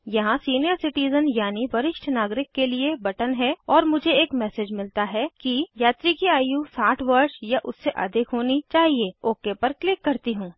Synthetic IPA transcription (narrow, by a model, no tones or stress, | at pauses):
jɐɦãsiːnijəɾsɪʈiːzənjaːniʋɐɾɪʃʈʰnaːɡɾɪkːeliebɐʈənɦɛɔːɾmʊd͡ʒʱeeːkmɛːseːd͡ʒmɪlt̪aɦɛkijaːt̪ɾikiaːjusaːʈʰʋɐɾsjaʔʊsːeʔɐ̰d̪ʱɪkɦoːnit͡ʃaːɦieoːkepɐɾklɪkːɐɾt̪iɦũː